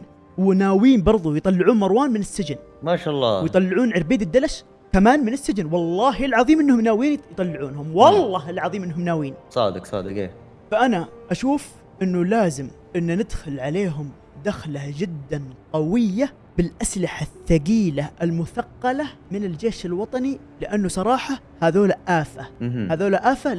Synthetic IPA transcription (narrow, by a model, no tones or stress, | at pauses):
wɪnaːwiːnbɑɾˤðˤujt̪ˤɑlːɪʕuːnmɑɾwaːnmɪnɪsːɪd͡ʒɪn | maːʃalˤːɑ̰ːwɪjt̪ˤɑlːɪʕuːnʕɪɾbiːd̪ɪd̪ːalaʃ | kamaːnmɪnɪsːɪd͡ʒɪnwɑlˤːɑːɦɪlʕɑðˤiːmʔɪnːhʊmnaːwiːnjt̪ˤɑlːɪʕuːnhʊmwɑlˤːɑːɦɪlʕɑðˤiːmʔɪnːhʊmnaːwiːnsˤɑ̰ːd̪ɪksˤɑ̰ːd̪ɪkḛː | faʔanaʔaʃuːf | ʔɪnːulaːzɪm | ʔɪnːunɪd̪xʊlʕaleːɦʊm | d̪axlad͡ʒɪd̪ːanqɑwɪjːa | bɪlʔaslɪħaθːaɡiːlaʔɪlmʊθɑqːɑlamɪnɪld͡ʒeːʃɪlwɑt̪ˤɑni | lɪʔanːusˤɑɾˤɑːħɑ | haːðoːlaʔaːfahaːðoːlaʔaːfa